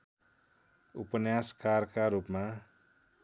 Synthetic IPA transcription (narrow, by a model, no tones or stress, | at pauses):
upənjaskarkaɾupmã